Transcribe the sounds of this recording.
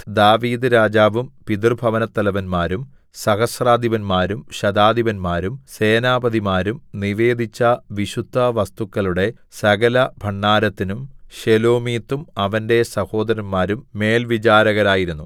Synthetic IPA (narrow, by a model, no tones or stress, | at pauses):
d̪aːʋiːd̪ɨɾaːd͡ʑaːʋumpid̪rbʱɐʋɐnɐt̪ːɐlɐʋɐnmaːɾum | sɐhɐsraːd̪ʱiʋɐnmaːɾumɕɐd̪aːd̪iʋɐnmaːɾumse̞ːnaːbɐd̪imaːɾumniʋe̞ːd̪ʱit͡ɕːɐʋiɕud̪ʱːɐʋɐst̪ukːɐɭuɽe̞sɐɡɐlɐbʱɐɳːaːɾɐt̪ːinumɕelo̞ːmiːt̪ːumɐʋɐnde̞sɐho̞ːd̪ɐɾɐnmaːɾumːe̞ːlʋit͡ɕaːɾɐɣɐɾaːjiɾunːu